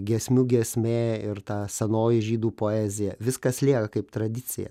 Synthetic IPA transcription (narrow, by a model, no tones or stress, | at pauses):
ɡʲɛsʲmʲuɡʲɛsʲmʲeːɪɾt̪ɑːsʲɛnoːjɪʒʲiːd̪uːpoːæːzʲɪjɛʋʲɪskɐslʲiɛkɐkɐɪpt̪ɾɐd̪ʲɪt͡s̪ʲɪ̰jɛ̰